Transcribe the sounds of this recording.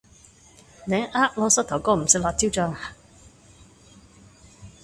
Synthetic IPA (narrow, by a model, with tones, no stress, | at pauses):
nɛː˨˥ŋʔaː˥ʔ̚lɔː˧˥sɐ˥t̪̚ʰɐ˨˩wkɔː˧˥m̩˨˩sɪ˧˥k̚laː˧˩t̪ʰiː˥wt͡ʃœː˧ŋ